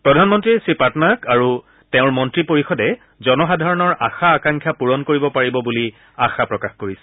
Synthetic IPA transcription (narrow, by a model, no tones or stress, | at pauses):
pɹɔdʱanmɔntɹisipatnakaɹu | teʊ̃ɹmɔntɹipoɹixɔdɛ | zɔnɔxadʱaɹɔnɔɹʔa̰xaːkãŋkʰjapuɹɔnkoɹibɔpaɹibɔbuli | axapɹɔkaxkoɹisɛ̥